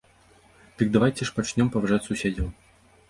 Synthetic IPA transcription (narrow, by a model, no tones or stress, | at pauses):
t̪ɨɡ̚d̪ɐvajtʲɪʂpɐt͡ʃnʲɔmpɐvɐʐatʲsʊsʲedʲɪlˠ